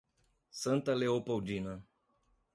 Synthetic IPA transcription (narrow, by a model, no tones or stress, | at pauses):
sənt̪əleopəd͡ʒinə